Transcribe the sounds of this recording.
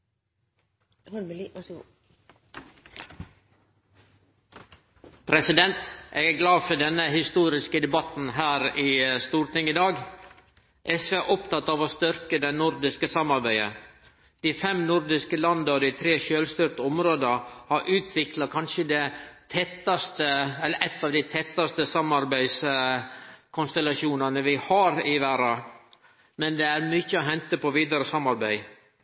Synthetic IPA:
pʰɾɛsɪd̪ɛnt̪ʔɛɡæɡlɑːfɔɖɛnːəhɪst̪uːɾɪskəd̪ɛbɑt̪n̩ɦæːɾiːst̪uːɾʈɪŋɪd̪ɑːɡ | ʔɛsʋeːæʔɔpt̪ɑt̪ːɑːʋoːst̪ʏɾkəd̪ɛnʊɾd̪ɪskəsɑmɑɾbæɪə̰ | d̪̥ɪfɛmnʊɾd̪ɪskəlɑnd̪ɑɔd̪ɪt̪ʰɾeːʃøːlst̪ʏɾʈ̪əɔmɾoːd̪əhɑɾʔʉːt̪ʰʋɪklɑkʰɑnʃəd̪ɛt̪ʰɛt̪ːɑst̪əɛlːəʔɛt̪ːɑːʋd̪ɪt̪ʰɛt̪ːɑst̪əsɑmːɑɾbæɪs | kʰʊnst̪ɛlɑʃuːnɑnəʋɪhɑɾɪʋæːɾɑ | mɛnd̪ɛæɾmʏçːəɔɦɛnt̪əpɔʋiːd̪ɑɾəsɑmːɑɾbæɪ

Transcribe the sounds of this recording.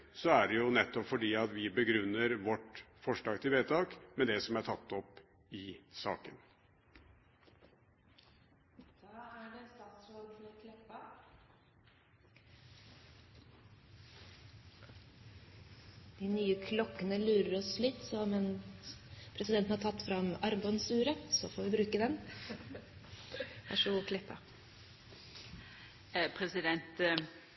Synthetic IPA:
sɔæɖɛjʊnɛt̪ːɔpfɔɖiːɑt̪ʋɪbəɡɾʉnːəɾʋɔʈfɔʂɖɑːɡt̪ʰɪʋeːt̪ʰɑːkmɛd̪ɛsɔmæɾʈʰɑt̪ːɔp | ɪsɑ̰ːkən | d̪̥ɑːæɖɛst̪ɑːt̪sɾoːd̪fɔɾɛkʰlɔkːɑ | d̪̥ɪnyːəkʰlɔkːənəlʉːɾəɾɔslɪt̪ːsɔmɛn | pʰɾɛsɪd̪ɛnt̪nhɑʈʰɑt̪ːfɾɑmɑɾbɑnsʉːɾəsɔfoːʋɪbɾʉːkəd̪ɛn | pʰæ̰ʂɔkʰlɪp̪ʰːɑ̰ | pʰɾɛsɪd̪ɛnt̪

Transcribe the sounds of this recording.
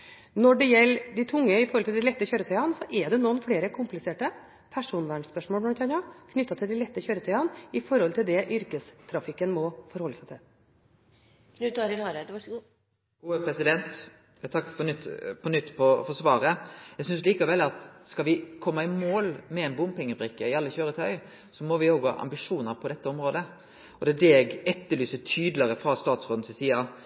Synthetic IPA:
nɔɖɛjɛlːd̪ɪt̪ʰʊŋːəɪfɔɾɔlt̪ɪld̪ɪlɛt̪ːəçøːɾət̪ʰœʏɑnsɔʔɛɖɛnunfleːɾəkʰʊmplɪseːʈə | pʰæʂuːnʋæːɳspœʂmoːlmɔt̪ʰɑnɑkʰnʏt̪ːɑt̪ʰɪld̪ɪlɛt̪ːəçøːɾət̪ʰœʏɑnɪfɔɾhɔlt̪ʰɪld̪ɛʔʏɾkəst̪ʰɾɑfɪkːənmɔfɔɾhɔlːəsæɪt̪ʰɪl | knʉt̪ɑːɾɪlɑɾæd̪ʋɑʂɡuː | ɡ̥uːəpʰɾɛsɪd̪ɛnt̪ | t̪ʰɑkːfɔnʏt̪ːpʰɔnʏt̪ːpʰɔfɔsʋɑːɾəjɛɡsʏnsliːkɑʋɛlːɑt̪skɑʋɪkʰɔmːɑɪmoːlmɛɛnbʊmpʰɛŋːəbɾɪkːəɪɑlːəçøːɾət̪ʰœʏ | sɔmɔʋɪoːɡhɑ̰ːʔɑ̰mbɪʂuːnəɾpʰɔd̪ɛt̪ːəɔmɾoːd̪ə | ɔd̪ɛæɖ̪ɛɛɡɛt̪ːəlyːsət̪ʰyːd̪ləɾəfɾɑst̪ɑːt̪sʁoːd̪n̩sɪsiːɑ

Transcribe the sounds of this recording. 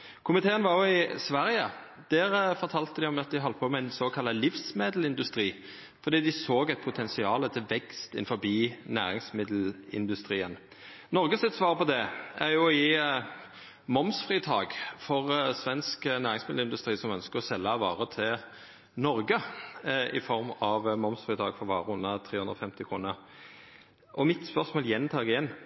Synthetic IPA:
kʰʊmɪt̪ʰeːənʋɑɾjʊɪsʋæɾjə | d̪̥ɛʁfɔɾt̪ʰɑːlt̪əd̪ɪɔmɑt̪̚d̪ɪɦɔlt̪əpʰɔmɛæɪnsoːkʰɑlːəlɪfsmeːd̪l̩ɪnd̪ʉst̪ɾiː | fɔɾd̪iːd̪ɪsoːɡɛɪt̪̚pʰʊt̪ʰɛnsɪɑːlət̪ʰɪlʋɛkst̪ɪ̰nfɔɾbiːnæ̰ːɾɪŋsmɪd̪l̩ɪ̰nd̪ʉst̪ɾiːən | nɔɾɡəsɪt̪sʋɑːʁpɔd̪ɛæɾjʊɔjiː | mɔmsfʁiːt̪ʰɑːɡfɔʁsʋɛnsknæːɾɪŋsmɪd̪l̩ɪnd̪ʉst̪ɾiːsɔmœnskəʁɔsɛlːəɑʋɑːɾət̪ʰɪl | nɔɾɡə | ɪ̰fɔɾmɑʋmɔmsfɾiːt̪ʰɑːɡfɔɾʋɑːɾəʉnːət̪ʰɾeːhʉnd̪ʁɔfɛmt̪ɪkʰʁuːnəɾ | ʔɔmɪt̪spœʁsmoːljɛnt̪ʰɑːɡɪjɛnː

